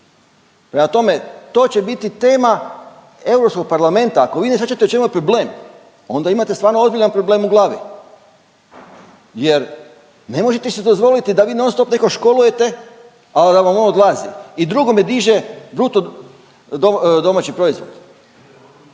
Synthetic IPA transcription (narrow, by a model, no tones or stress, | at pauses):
pɾe̞mat̪o̞me̞t̪o̞ːt͡ɕe̞bit̪it̪e̞ːma | e̞wɾopsko̞ɡ̚paɾlame̞nt̪aːko̞ʋiːnesʲat͡ʃat̪et͡ʃe̞mupɾo̞ble̞ːm | o̞nd̪aimat̪est̪ʋaːɾnoo̞zbiʎʲanpɾo̞ble̞ːmuɡlˠaːʋḭ | jeɾ | ne̞mo̞ʒet̪esed̪o̞zʋo̞lit̪id̪aʋiːnonst̪opne̞ko̞ʃko̞luje̞t̪e | ad̪aʋamonod̪lˠazḭid̪ɾuɡo̞med̪iʒebɾut̪o | d̪od̪o̞mat͡ɕipɾo̞izʋo̞̰d̪̥